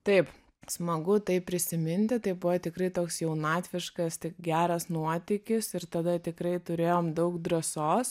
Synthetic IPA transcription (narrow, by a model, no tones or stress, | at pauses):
t̪ɐɪp | smɐɡʊt̪ɐɪppʲɾʲɪsʲɪmʲɪnʲt̪ʲɪt̪ɐɪbʊʋɐt̪ʲɪkɾɐɪt̪oːksjɛʊnɑːt̪ʲʋʲɪʃkɐst̪ʲɪkɡʲæːɾɐsnuɔt̪ʲɪkʲɪsɪɾt̪ɐd̪ɐt̪ʲɪkɾɐɪt̪ʊɾʲeːjoːmd̪ɐʊkd̪ɾɐsoːs